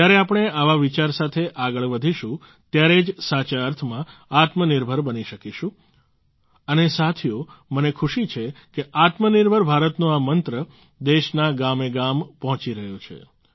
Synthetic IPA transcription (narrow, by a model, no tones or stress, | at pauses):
jaɾeapəɳ̃eaʋaʋit͡ʃaɾsat̪ʰeʔaɡəɭʋəd̪ʱiʃũ | t̪jaɾed͡ʒsat͡ʃaəɾt̪ʰmãat̪mənɪɾbʱəɾbəniʃəkiʃũ | ənesat̪ʰijomənekʰuʃit͡ʃʰekeʔat̪mənɪɾbʱəɾbʱaɾət̪nõamənt̪ɾə | d̪eʃnaɡameɡampɔɦt͡ʃiɾəɦjot͡ʃʰḛ